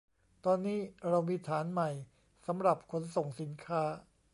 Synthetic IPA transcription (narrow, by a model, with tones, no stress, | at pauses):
t̪ɔː˧nːiː˦˥˩ɾa˧wmiː˧t̪ʰaː˩˦nma˨˩j | sa˩˦mɾa˨˩p̚kʰo˧˥nso˨˩ŋsi˨˩˦nkʰaː˦˥